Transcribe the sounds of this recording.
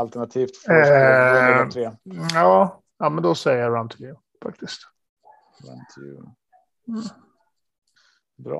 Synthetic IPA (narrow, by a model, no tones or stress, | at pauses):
alt̪ɛɳat̪ʰiːft̪f | t̪ʰɾeːjɑː | ɑːmɛnd̪ɔsɛjəaɹãnt̪ʰɪvjʉː | fak̚t̪ɪskt̪ | a̰t̪ʰjʉ̰ | bɾɑ̰